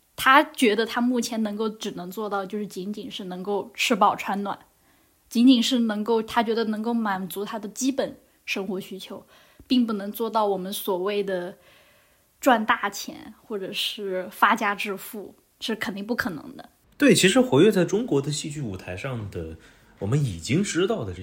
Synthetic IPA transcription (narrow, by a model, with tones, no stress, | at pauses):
t̪ʰa˥t͡ɕɥɛ˧˥d̪ə˧t̪ʰa˥mu˥˩t͡ɕʰjɛ˧˥nɤ˧˥ŋko˥˩ʊʈ͡ʂɻ̩˨˩nɤ˧˥ŋt͡swɔ˥˧t̪ɑ˥˧ʊt͡ɕjo˥˧ʊʂɻ̩˥˩t͡ɕi˧˥nt͡ɕi˨˩nʂɻ̩˥˩nɤ˧˥ŋko˥˧ʊʈ͡ʂʰɻ̩˥˧pɑ˥˩ʊʈ͡ʂʰwa˥nnwa̰˨˩˦n | t͡ɕi˧˥nt͡ɕi˨˩nʂɻ̩˥˩nɤ˧˥ŋko˥˩ʊt̪ʰa˥t͡ɕɥɛ˧˥d̪ə˧nɤ˧˥ŋko˥˩ʊma˨˩nt͡su˧˥t̪ʰa˥d̪ə˨t͡ɕi˥pə˨˩n | ʂɤ˥ŋxwɔ˧˥ɕy˥t͡ɕʰjo˧˥ʊ | pi˥˧ŋp̬u˥˩nɤ˧˥ŋt͡swɔ˥˧t̪ɑ˥˩ʊwɔ˨˩mə˦nswɔ˨˩we˥˩ɪd̪ə˩ | ʈ͡ʂwa˥˧nt̪a˥˩t͡ɕʰjɛ̰˧˥nxwɔ˥˩ʈ͡ʂɤ˨˩ʂɻ̩˥˩fa˥t͡ɕja˥ʈ͡ʂɻ̩˥˧fu˥˩ | ʂɻ̩˥˩kʰə˨˩nt̪i˥˧ŋp̬u˥˩kʰɤ˨˩nɤ̰˧˥ŋd̪ə̰˧ | t̪we˥˩ɪt͡ɕʰi˧˥ʂɻ̩˧˥xwe˧˥ɪɥɛ˥˧t͡sa˥˩ɪʈ͡ʂʊ˥ŋkwɔ˧˥d̪ə˧ɕi˥˧t͡ɕy˥˩u˨˩t̪ʰa˧˥ɪʂɑ˥˩ŋd̪ə˩ | wɔ˨˩mə˦ni˨˩t͡ɕi˥ŋʈ͡ʂɻ̩˥t̪ɑ˥˩ʊd̪ə˩ʈ͡ʂ